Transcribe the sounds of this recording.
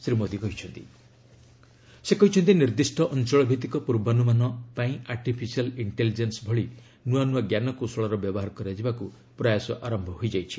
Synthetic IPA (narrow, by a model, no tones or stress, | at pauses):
sɾimod̪ikɔɦit͡ʃʰɔnt̪i | sekɔɦit͡ʃʰɔnt̪iniɾd̪isʈɔʔɔnt͡ʃɔɭɔbʱit̪ikɔpuɾbanumanɔpaĩʔaɾʈipʰisialiɳʈelid͡ʒensbʱɔɭi | nuanuaɡjanɔkosɔɭɔɾɔbjɔbɔɦaɾɔkɔɾad͡ʒibaku | pɾajasɔʔaɾɔmbʱɔɦojd͡ʒajt͡ʃʰi̥